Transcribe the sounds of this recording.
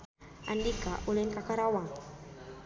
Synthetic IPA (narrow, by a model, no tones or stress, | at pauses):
andikaʔuleŋkakaɾawaŋ